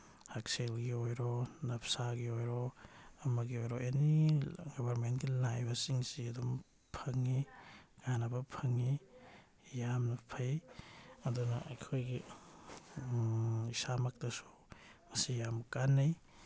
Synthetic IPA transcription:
hakselɡiojɾɔnɐpsaɡiojɾɔɐmɐɡiojɾojeniɡɔbʱɐɾmentɡilajbɐsiŋsiɐdum | pʰɐŋːiɡ̥anɐbɐpʰɐŋːi | jamnɐpʰɐj | ɐdunɐʔɐjkʰojɡi | isamɐk̚tɐsu̥ | mɐsijamkanːɐj

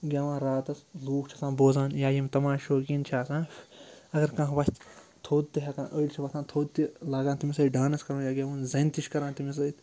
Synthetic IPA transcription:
ɡʲaʋãːnɾaːt̪ɐsluːkt͡ʃʰɐsãːboːzãːnjaːjimt̪ɐmãːʃoːkint͡ʃʰaːsãːɐɡɐɾkãɦʋɐst̪t̪ʰoːd̪̚t̪iɦʲɐkãːnʔəːlʲt͡ʃʰiʋɐt̪ʰãːt̪ʰoːd̪̚t̪ilaːɡãːt̪imisɐːɖaːnɐskɐɾõːjaːɡʲaːʋɐːnzɐnt̪iʃkɐɾãːt̪imis̬ɐt̪

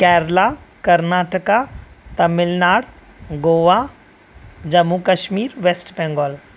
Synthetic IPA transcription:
kɛːɾlakɐɾnaːʈəkat̪ɐmɪlnaːɽ | ɡoːʋa | d͡ʒɐmːukəʃmiːɾʋeːsʈbɛ̃ːŋɡɔːl

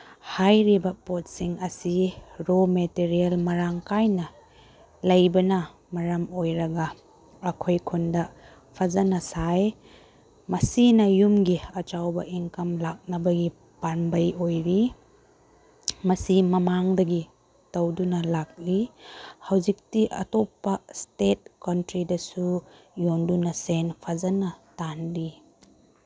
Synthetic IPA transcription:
hajɾibɐpot̚siŋɐsiɾometeɾielmɐɾaŋkajnɐ | lɐjbɐnɐ | mɐɾɐmojɾɐɡɐː | kʰojkʰundɐ | pʰɐzɐnɐsaj | mɐsinɐjumɡiɐt͡ʃawbɐʔiŋkɐmlak̚nɐbɐɡi | panbɐjojɾi | mɐsimɐmaŋdɐɡi | tɐwdunɐlak̚lihɐwzik̚tiʔɐ̰topːɐstet̚kɐntɾidɐsujondunɐsenpʰɐzɐnɐtanɾi

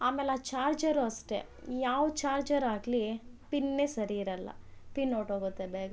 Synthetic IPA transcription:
aːmeːleaːt͡ʃaːɾd͡ʒɐɾuɐsʈḛjaːʋɐt͡ʃaːɾd͡ʒɐɾaːɡlipinːeːsɐɾiːɾɐlːɐ̰pinːoːʈɦoːɡut̪ːebeːɡɐ

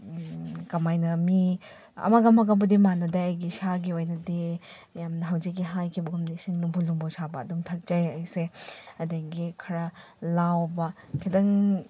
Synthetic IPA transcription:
kɐmajnɐmi | ɐ̰maɡɐmɐɡɐbɐdimanɐdaajɡisaɡiojnɐdi | jamnɐɦɐwzik̬̚ːiɦajkʰibɐɡɐmnisiŋlumbulumbosabɐːduŋtʰɐk̚d͡ʒajajseɐdaɡikʰɐɾɐlawbɐ | kʰidɐŋ

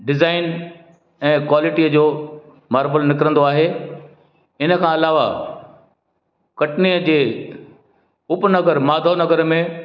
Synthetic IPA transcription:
ɖɪzaːɪn | ɛ̃ːkwaːlɪʈiəd͡ʑoː | maːɾbəlnɪkɾə̃n̆d̪oaːɦe | ɪnə̆kʰãːɐlaːʋa | kɐʈniəd͡ʑeː | ʊpnɐɡəɾmaːd̪ʱonɐɡəɾmẽ

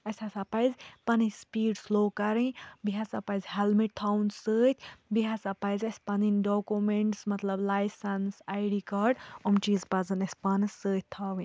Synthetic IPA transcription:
ɐsʲasɐpɐjzpɐnispiːɖsloːkɐɾĩbiɦasɐpɐjzʲhelmiʈ̚t̪ʰawnsəːt̪ʲʰbiɦasɐpɐjzɐspɐninɖoːkumeɳʈsmɐt̪lɐblajsɐnsajɖikɐɖomt͡ʃizpɐzɐnɐspɐnɨsəːt̪̚ʰʲt̪ʰaʋĩ

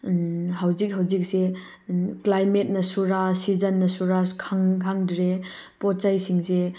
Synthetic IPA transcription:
ɦawzik̚ɦawzik̚se | klajmet̚nɐsuɾasizɐnːɐsuɾakʰaŋkʰaŋdɾe | pɔt͡ʃajsiŋse

